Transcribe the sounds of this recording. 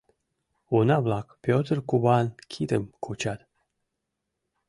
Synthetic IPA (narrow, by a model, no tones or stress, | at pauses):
unablakpʲot̪ərkubankʲʰit̪əmkʰut͡ɕat̪